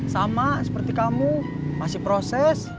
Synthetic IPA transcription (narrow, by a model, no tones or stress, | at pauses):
samasəpərt̪ikamu | masɪhpɾosɛs